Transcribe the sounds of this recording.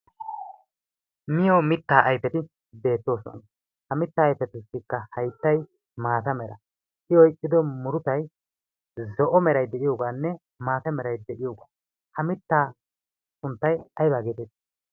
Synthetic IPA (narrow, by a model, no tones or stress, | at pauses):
mɪjɔmɪt̪ːaːʔɐjfɛt̪ɪ | be̞ːt̪ːo̞ːsɔ̰n | hɐmɪt̪ːaːjfɛt̪ɪsɪkːɐhɐjt̪ːɐj | maːt̪ɐmɛɾɐ̰ | ʔɪwɔjʔʼːɪd̪ɔmʊɾʊt̪ɐj | zɔʔɔmɛɾɐjd̪ɛʔɪjoːɡaːnːɛ | maːt̪ɐmɛɾɐjd̪ɛʔɪjoːɡaː | hɐmɪt̪ːaː | sʊnt̪ːɐjɐjbaːɡet̪ɛt̪ː